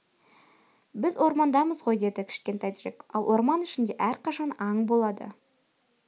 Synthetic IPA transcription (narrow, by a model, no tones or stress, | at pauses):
bɪzwo̞ɾmɑnd̪ɑməzʁo̞jd̪e̞d̪ɪkʲʰɪ̥ʃkʲe̞nt̪ɑjt̪ʒekɑ̰lˠwʔo̞ɾmɑnɪʃɪnd̪e̞ʔæɾqʰɑʃɑnɑɴbo̞lˠɑd̪ə̰